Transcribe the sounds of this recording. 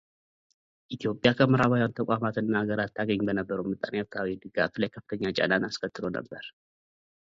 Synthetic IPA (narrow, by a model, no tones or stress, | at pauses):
ʔit̪ʰijo̞pʼjakʰəməɾaβajwant̪ʰəkʷʼamat̪ɨnːaaɡəɾat̪ːaɡəɲːbənəbːəɾəwmɨt̪ʼːanjakʰawid̪ɨɡaflajkʰəfːɨ̥t̪ʰəɲːat͡ʃʼa̰nanaskʰət̪ːɨlo̞nə̰bːəɾ